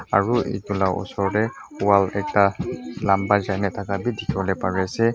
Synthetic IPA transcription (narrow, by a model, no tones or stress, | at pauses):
aɹuʔḛɡulaʔɔ̰sɔɹdɛuwalɛk̚talambazajnɛtʰakabidikʰibɔlɛpaɹɛsɛ